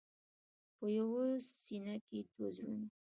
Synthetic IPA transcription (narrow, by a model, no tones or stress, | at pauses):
pəjawosinaket̪ozɾṵn